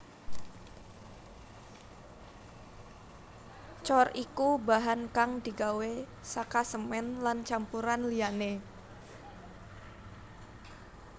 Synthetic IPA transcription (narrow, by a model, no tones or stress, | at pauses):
t͡ʃɔrikubaɦankaŋd̪i̤ɡawe | sakasəmɛnlant͡ʃampuɾanliane